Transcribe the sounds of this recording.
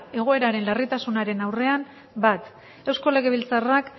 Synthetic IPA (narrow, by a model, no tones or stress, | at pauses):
e̞ɣ̞o̞e̞ɾaɾe̞nlarit̪asunaɾe̞nawre̞am | bat̪ | ewsko̞le̞ɣeβilt͡sarak